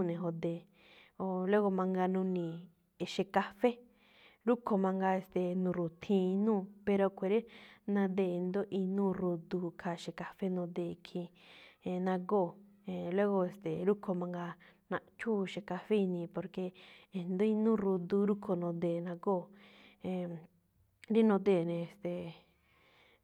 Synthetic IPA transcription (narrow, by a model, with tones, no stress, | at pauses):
nẽ˨ɦo˧d̪e˨ | o˧lo˦ɣo˧mã˧ŋɡa˧nũ˧nĩ˨ | e˨ʃe˧ka˧fe˦ | ɾu˦kʰo˧mã˧ŋɡa˧e˧˨st̪e˨nũ˧˨ɾu˨t̪ʰĩ˧˦˧nũː˦˨pe˧ɾo˧kʷe˨˧ɾe˦nã˧d̪e˧˨˧nd̪o˦ʔi˧nũː˦˨ɾu˧d̪u˧kʰa˨˧ʃe˧˨ka˧fe˦nõ˧d̪e˧˨kʰĩ˧ | ẽ˧nã˧ɡo˦˨ | ẽ˨le˦ɣo˧e˧˨st̪e˨ɾu˦kʰo˧mã˧ŋɡa˧nã˧t͡ʃʰu˦ʃẽ˨ka˧fe˦i˧nĩ˧po˧ɾke˧˨nd̪o˦i˧nũː˦˨˧ɾu˧d̪u˧ɾu˦kʰo˧nõ˧d̪eː˨nã˧ɡoː˦˨ | ẽ˨ | ɾi˦nõ˧d̪e˧˨nẽ˧e˨st̪e˨